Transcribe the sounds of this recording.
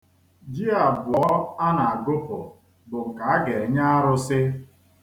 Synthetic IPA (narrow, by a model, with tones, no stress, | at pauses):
d͡ʒi˦a˨bʊ˨ɔ˦a˦na˨a˨ɡʊ˦pʊ˨ | bʊ˨ŋ̩˨ka˨a˦ɡe˨ɲa˦a˦ɾʊ˦sɪ˦